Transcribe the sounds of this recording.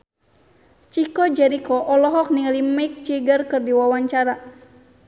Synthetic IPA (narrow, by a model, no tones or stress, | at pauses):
t͡ʃikɔd͡ʒɛɾikɔʔɔlɔɦɔk̚niŋalimaik̚t͡ʃiɡərkɨrdiwawaɲt͡ʃaɾa